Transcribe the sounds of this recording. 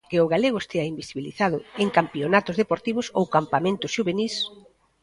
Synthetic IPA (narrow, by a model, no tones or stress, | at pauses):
kɪʊɣaleɣ̞ʊest̪eaimbisiβiliθaðʊeŋkampionat̪ʊzðepoɾt̪iβ̞ʊsowkampamẽnt̪ʊsʃuβenis